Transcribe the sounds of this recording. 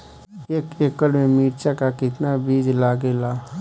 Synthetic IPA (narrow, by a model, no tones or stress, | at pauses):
eːkeːkəɽmẽmiːɾt͡ʃakakɪt̪nabiːd͡ʒlaːɡelaː